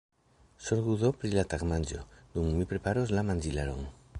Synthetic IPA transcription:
soɾɣuðopɾilat̪akmand͡ʒo̰d̪uŋmipɾepaɾozlamand͡ʒilaɾo̰ŋ

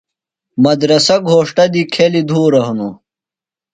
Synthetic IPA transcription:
mɐd̪ɾɐsɐɡʱoːʂʈɐd̪ikʰelid̪ʱuːɾɐɦunu

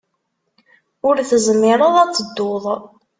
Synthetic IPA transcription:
ʊɾθəzmːɪɾˤəðˤæt͡sːəd̪ːoðˤ

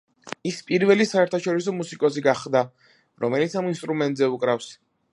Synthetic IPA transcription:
ispʼiɾvɛlisaɛɾt̪ʰaʃɔɾisɔmusikʼɔsiɡaχd̪a | ɾɔmɛlit̪sʰaminst̪ʼɾumɛnt̪ʼzɛukʼɾafs

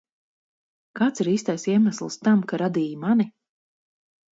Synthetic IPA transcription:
kaːt̪siɾiːst̪ajsiɛmaslˠst̪amkaɾad̪iːjmani

